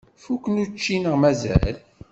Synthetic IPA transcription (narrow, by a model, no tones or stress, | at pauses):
fukːənut͡ʃːinəʁmæzæ̰l